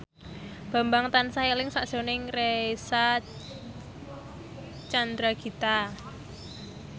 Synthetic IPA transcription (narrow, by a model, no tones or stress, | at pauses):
b̥a̤mbaŋt̪ansailɪŋsaʔd̥ʒ̥o̤nɪŋresa | t͡ʃand̪ɾaɡ̥i̤t̪a